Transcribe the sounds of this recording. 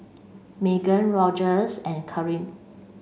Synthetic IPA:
meɡə̃nɹɔd͡ʒəsɛ̃nkʰəɹĩm

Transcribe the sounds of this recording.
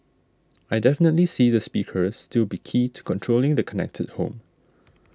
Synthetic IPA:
ajdɛfənətlisiðəspikʰəsːtɪlbikʰitʰu̥kʰɔ̃ntʰɹolɪ̃ŋdəkʰɔnɛ̰k̚tʰə̰d̚hõ̰m

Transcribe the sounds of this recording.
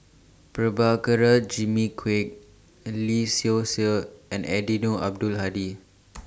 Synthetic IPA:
pɹəbakəɾəd͡ʒimikʰwek̚ | lisiosəɛ̃nɛdinoʔa̰b̚dulɦadi

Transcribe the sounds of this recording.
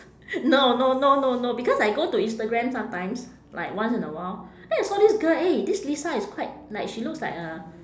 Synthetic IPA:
nononononobikɔsajɡotuĩnstəɡɹɛ̃msãmtãɪ̃ms | la̰ɪkwãnsĩnəwaɪldɛ̃naɪsɔdisɡəledislisaiskʰwaɪt̚naɪkʃiluk̚slaɪk̚ə

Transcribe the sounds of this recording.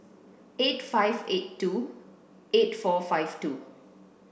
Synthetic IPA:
etfajvetːu | etfɔfaɪjvtu

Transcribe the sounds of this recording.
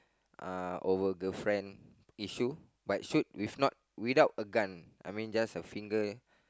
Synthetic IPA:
ʔaovəɡəfɹɛ̃n | iʃu | bat̚ʃut̚wifnɔt̚widaʊtəɡãnʔa̰jmĩnd͡ʒasəfĩŋɡə

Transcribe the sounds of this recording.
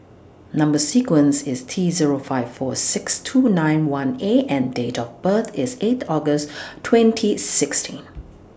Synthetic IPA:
nʌ̃mbəsikwə̃nsɪstʰiziɹofaɪv̥fɔsɪkstʰunãɪ̃nwãneʔɛ̃ndetɔvbət̪ʰɪset̪ʰɔɡəstʰːwɛ̃ntʰisɪkstʰĩn

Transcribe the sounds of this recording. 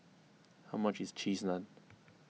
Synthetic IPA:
haʊmʌt͡ʃɪz̥t͡ʃʰiːznə̃n

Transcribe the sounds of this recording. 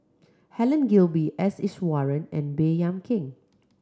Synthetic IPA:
hɛlə̃nɡilbiʔɛsɪswɔɹə̃nɛ̰̃nbejãmkʰɪ̃ŋ

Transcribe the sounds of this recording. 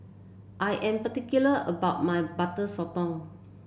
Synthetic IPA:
ʔajʔɛ̃mpətikjuləʔəbaʊt̚majbatəsɔtɔ̃ŋ

